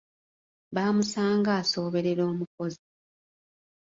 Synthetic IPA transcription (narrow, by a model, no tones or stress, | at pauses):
βaːmusaːŋɡaːso̞ːβe̞ɾe̞ɾo̞ːmuko̞zi